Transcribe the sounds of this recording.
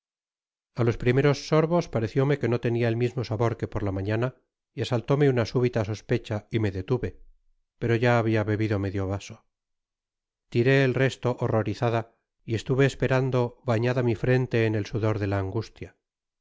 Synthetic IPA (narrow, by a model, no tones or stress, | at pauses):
alo̞spɾime̞ɾo̞sːo̞ɾβo̞spaɾe̞θjo̞me̞ke̞no̞t̪e̞niaelmizmo̞saβo̞ɾke̞po̞ɾlamaɲana | iasalt̪o̞meunasuβ̞it̪aso̞spe̞t͡ʃaime̞ðe̞t̪uβe̞ | pe̞ɾo̞ʝaːβiaβe̞βiðome̞ðjo̞βaso̞ | t̪iɾe̞ːlre̞st̪o̞ʔoroɾiθaða | ie̞st̪uβe̞ːspe̞ɾand̪o̞βaɲaðamifɾe̞nt̪e̞ːne̞lsuðo̞ɾðe̞laːŋɡust̪ja